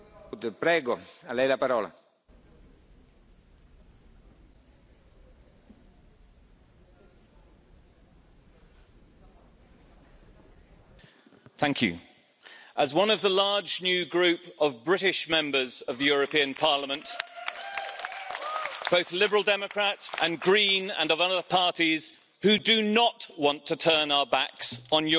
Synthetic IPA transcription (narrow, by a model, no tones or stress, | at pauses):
d̪ɪpɾɛːɡoalɛjlapaɾɔːla̰ | θæ̃ŋkʰjʉ̰ | ʔəzwʌ̃nəvðəlɑːd͡ʒnjʉːɡɹʉˑpəvbɹɪtɪʃmɛ̃mbəzəvðəjɔːɹəpʰĩə̃npʰɑːləmə̃nt | b̥əʊθlɪbəɹəlˠdɛməkʰɹ̥atə̃nɡɹĩːnə̰̃nəvʌðəpʰɑˑtiz̥ | hʉdənəʔwɒ̃ntʰətʰɜːnaʊəbaksn̩jə